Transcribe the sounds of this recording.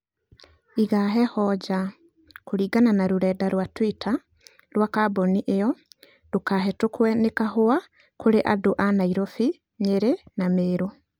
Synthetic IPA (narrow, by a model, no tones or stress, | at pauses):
iɣaɦɛhɔɟa | koɾiːɡananaɾoɾɛːdaɾwatwitʰa | ɾwakabɔniʔejɔ | d̥okaɦɛtokwɛnekaɦoa | koɾeʔadoʔanaiɾɔfi | ɲeɾenameːɾo